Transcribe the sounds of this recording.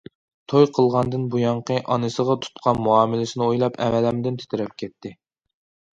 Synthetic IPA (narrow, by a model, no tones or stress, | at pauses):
t̪ʰojqʰəlˠʁɑnd̪ɨnbujɑɴqʰəʔɑnɨsəʁɑt̪ʰu̥t̪qʰɑnmuɑːmɪlɪsɪnɨojlˠɑpɛ̰mɛlɛmd̪ɪnt̪ʰe̥t̪ʰɪɾɛp̚kʲʰɛt̪ʰːɪ